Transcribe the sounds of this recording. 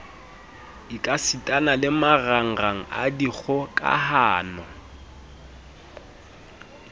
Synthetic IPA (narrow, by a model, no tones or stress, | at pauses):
ikʼasitʼanalɪmaraŋ̩raŋ̩a̰diɣʰʊkʼa̰haːnɔ